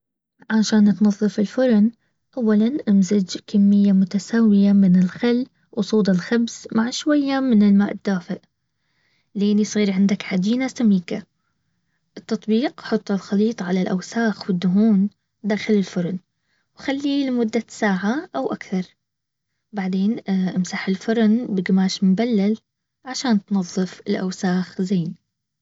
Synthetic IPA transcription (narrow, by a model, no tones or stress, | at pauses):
ʕaʃaːnt̪nɑðˤːɨfɪlfʊɾn | ʔawːalanʔamzɪd͡ʒkamːɪjːamʊt̪asaːwɪjamɪnɪlxalː | wsˤuːd̪ˤɪlxabz̥maʕʃwajːamɪnɪlmaːʔɪd̪̥ːaːfɪʔ | leːnisˤiːɾʕɪnd̪akħad͡ʒ̪iːnasamiːka | ʔɨt̪ːɑt̪ˤbiːqħʊt̪ˤːɨlxɑliːt̪ˤʕalalʔawsaːxwɪd̪ːʊɦuːn | d̪aːxɪlɪlfʊɾˤn | wxalːiːlmʊd̪ːasaːʕaʔawʔakθɑɾˤ | baʕd̪eːnʔɪmsaħɪlfʊɾˤnbɪɡɪmaːʃmmbalːal | ʕaʃaːnt̪nɑðˤːɨfɪlʔa̰wsaːxzeːni